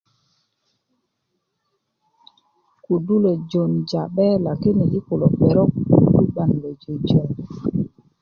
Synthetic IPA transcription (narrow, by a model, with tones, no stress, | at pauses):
ku˨du˦lo˨d͡ʒo˨nd͡ʒa˨ɓɛ˦la˨ki˦nɛ˨ʔi˦kʊ˨lɔ˨bɛ˨ɾɔ˦k̚ṵ˨i˦ba˨n˨lɛ˨d͡ʒo˨d͡ʒɔ˨n